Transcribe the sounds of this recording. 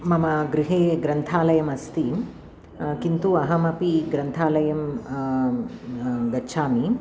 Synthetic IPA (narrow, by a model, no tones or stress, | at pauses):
mɐmɐɡɾiɦeːɡɾɐnt̪ʰaːlɐjɐmɐst̪i | kint̪uɐɦɐmɐpiɡɾɐnt̪ʰaːlɐjɐm | ɡɐːʃʰaːmi